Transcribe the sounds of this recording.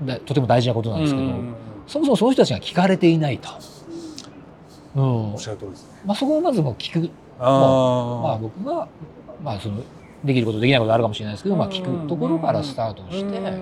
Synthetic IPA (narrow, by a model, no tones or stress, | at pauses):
d̪at̪ot̪emo̞d̪aiʑinako̞t̪onãnd̪esɨ̥ke̞d̪o̞so̞mosomosonoçtot̪ːat͡ɕiɡakʲi̥kaɾe̞t̪e̞inait̪o̥ | ɯ̟̃ːt̪s | maso̞ko̞amazɨmoːkʲi̥kɯ̟ | omabo̞kɯ̟ɡa | maso̞no | d̪e̞kʲiɾɯ̟kot̪od̪ekʲinaikot̪oaɾɯ̟kamoɕiɾe̞naid̪esɨked̪omakʲi̥kɯ̟t̪o̞ko̞ɾo̞kaɾasɨ̥t̪aːt̪o̞ɕi̥t̪e̞